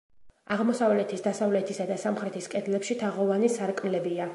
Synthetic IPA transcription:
aʁmɔsavlɛt̪ʰisd̪asavlɛt̪ʰisad̪asamχɾɛt̪ʰiskʼɛd̪lɛpʃit̪ʰaʁɔvanisaɾkʼnlɛbia

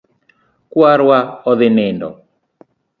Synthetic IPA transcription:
kwaɾwaɔðɪnɪndɔ̰

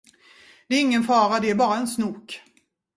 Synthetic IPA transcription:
d̪̥ɛːɾɪŋːənfɑːɾad̪ɛæɾbɑːɾaɛnsnuːk

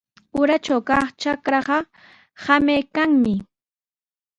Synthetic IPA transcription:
ʊɾat͡ʃawkɑχt͡ʃakɾɑɢɑ | hamajkaŋmɪ

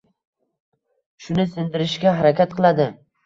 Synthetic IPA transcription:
ʃʊnɪsɪnd̪ɪɾɪʃɡʲaɦaɾakʲat̪̚qʰɨlˠad̪ɪ

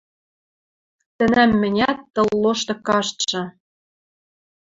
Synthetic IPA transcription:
t̪ɘ̆næmːɘ̆nʲæt̪ːɤ̆lːoʃt̪ɤ̆kɑʃt̪ʃɤ̆

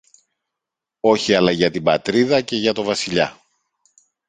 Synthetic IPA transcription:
o̞çiɐlɐʝɐt̪ibɐt̪ɾiðɐce̞ʝɐt̪o̞vɐsiʎɐ̰

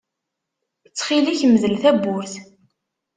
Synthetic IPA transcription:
ət͡sːχiliçməðəlθæbːʊɾθ

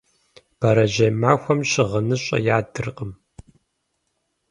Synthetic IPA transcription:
b̥ɐɾɐʒɐmaːxʷɐmɕɪʁənɨɕʼɐ̰jaːdɨrqʼəm

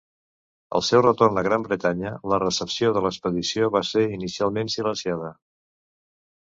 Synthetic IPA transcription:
ə̰lˠsɛwrət̪ornəɣɾambɾət̪aɲələrəsəpsioðələkspəðisioβaseɾinisialˠmensilənsiað̞ə

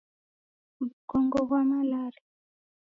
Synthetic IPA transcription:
βukɔŋɡɔβwamalaɾi

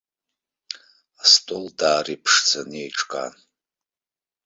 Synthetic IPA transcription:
astʼoldaːripʰʂt͡sʰanejʈ͡ʂʼkʼa̰n

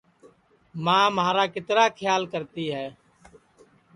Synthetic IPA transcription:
mãːmaːɾaːkɪt̪ɾaːkʰɪjaːlkəɾt̪iːɦɛː

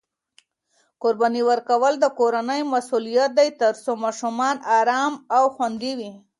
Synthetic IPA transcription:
koɾbɑniwəɾkawəld̪əkoɾanəjmasulijat̪̚d̪ajt̪əɾsomɑʃumɑnɑɾɑmawxwand̪iwi

